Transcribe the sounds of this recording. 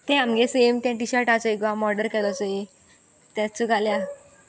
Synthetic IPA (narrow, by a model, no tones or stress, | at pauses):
t̪ẽamɡẽsemt̪jãʈiɕaɾʈat͡səiɡʋamɔɾɖəɾkɛlɔt͡səi | t̪jãt͡suɡalja